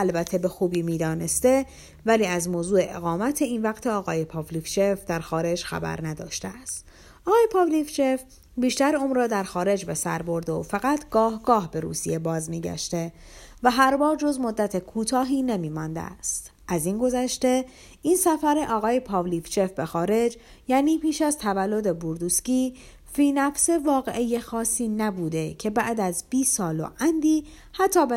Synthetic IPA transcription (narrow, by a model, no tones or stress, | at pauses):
ælbæt̪ʰːe̞be̞xuːbiːmiːd̪ɒːne̞st̪e̞ | væliːæzmoːzuːe̞ʔḛɣɒːmæt̪ʰe̞invæɡt̪ʰeɒːɣɒːjepʰɒːvlift͡ʃʰe̞fd̪æɾxɒːɾe̞d͡ʒxæ̰bæ̰ɾnæd̪ɒ̰ːʃt̪eæst̪ | ʔɒːɣɒːjepʰɒːvlift͡ʃʰe̞f | biːʃt̪æɾuːmɾɒːd̪æɾxɒːɾe̞d͡ʒbe̞sæɾbo̞ɾd̪eofæɣæt̪ʰɡ̥ɒːhɡɒːhbe̞ɾṵːsije̞bɒːzmiːɟæ̰ʃt̪e̞væɦæɾbɒːɾd͡ʒo̞zmo̞d̪ːæt̪ʰe̞kʰuːt̪ʰɒːɦiːne̞miːmɒːnd̪ḛst̪ʔæzinɡo̞zæʃt̪e̞ | ʔinsæfæɾe̞ʔɒːɣɒːje̞pʰɒːvlift͡ʃʰe̞fbe̞xɒːɾe̞d͡ʒ | jæːniːpʰiːʃæzt̪ʰævælːo̞d̪e̞buɾd̪usciː | fiːnæfse̞vɒːɣe̞̰ʔejexɒːsːiːnæbuːd̪e̞cʰe̞bæʔd̪æzb̥iːsɒːlo̰ʔænd̪iː | hæt̪ʰːɒːb